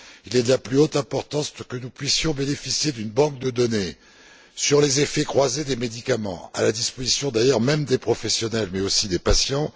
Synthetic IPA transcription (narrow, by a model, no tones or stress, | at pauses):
ilɛd̪əlaplyot̪ɛ̃pɔʁt̪ɑ̃spuʁkənupɥisjɔ̃benefisjed̪ynbɑ̃k̚d̪əd̪ɔne | syʁlezefɛkχwazed̪emed̪ikamɑ̰̃a̰lad̪ispozisjɔ̃d̪ajœʁmɛmd̪epχɔfɛsjɔnɛlmɛosid̪epasjɑ̃